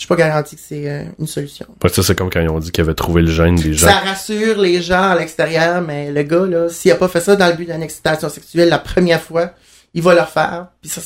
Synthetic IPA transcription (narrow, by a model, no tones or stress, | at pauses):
ʃy̥pɔɡaʁɑ̃t̪ikə̥sɛø̰ynsɔlysjɔ̰̃paksɔsɛkɔmkɑ̃ilɔ̃d̪ikjavɛt̪χuveləʒɛnd̪eʒãsaʁasyːʁleʒɑ̃alɛkst̪eʁjœːʁmɛləɡʌlɔsijapɔfɛsʌd̪ɑ̃ləbyd̪ɛnɛksi̥t̪asjɔ̃sɛksyɛlːapχəmjɛːʁfwa | ivʌlœʁfɛ̰ːʁpisʌ